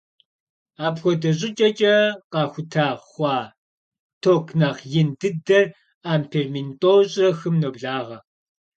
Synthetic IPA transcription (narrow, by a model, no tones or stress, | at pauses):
aːpxʷɔdɐɕ̬ʼɪt͡ʃʼɐt͡ʃʼɐqɑːxʷʊtʰaːχʷɑː | tʰoːkʰnaːqjɪndɨdɐr | aːmpʰermintʼoːɕʼrɐxɨmnobɮaːʁɐ